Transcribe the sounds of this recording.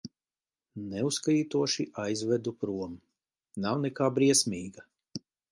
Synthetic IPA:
nɛuskajiːt̪uɔʃiʔajzvɛd̪upɾuɔm | nawnɛkaːbɾiɛsmʲiːɡa

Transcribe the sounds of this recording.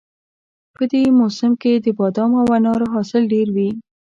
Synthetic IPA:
pəd̪emosɪmked̪əbɑd̪ɑmawanɑɾoɦɑsɪlɖeɾwi

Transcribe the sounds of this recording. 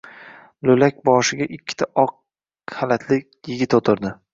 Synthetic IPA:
lɵlak̚ʲbɒʃɪɡʲaʔɪkʲʰːɪ̥t̪ʰaʔɒq̚ | halat̪ʰlɪkʲ | jɪɡʲɪt̪ot̪ʰɪɾd̪ɪ

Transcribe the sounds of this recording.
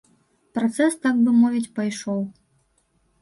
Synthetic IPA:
pɾat̪sɛst̪aɡ̚bɨmɔvʲit͡sʲpajʂɔw

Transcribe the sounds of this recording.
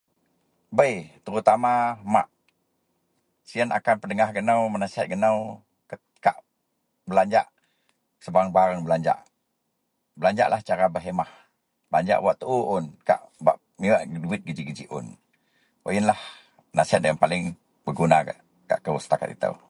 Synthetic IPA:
bəjt̪əɾut̪amama̰ʔ | sianʔa̰kanpədəŋahɡənawmənasiɦat̪̚ɡənaw | kə | kaʔ | bəlaɲd͡ʒa̰ʔ | səbaaŋbaɾaŋbəlaɲd͡ʒa̰ʔ | bəlaɲd͡ʒa̰ʔlʔaht͡ʃaɾabəɦemah | bəlaɲd͡ʒa̰ʔwaʔt̪əʔuʔʊnka̰ʔba̰ʔ | miwaʔɡduɪt̪̚ɡəd͡ʒiɡəd͡ʒiʔʊ̰n | o̰ʔjənlah | nasiɦat̪̚dəanpalɪŋ | bəɡunaɡa̰ʔ | ka̰ʔkəusət̪aka̰t̪ḭt̪ə̰w

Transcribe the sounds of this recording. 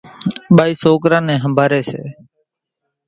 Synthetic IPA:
ɓaːiːsoːkɾãːnɛ̃ːɦəmbʱaːɾeːsḛː

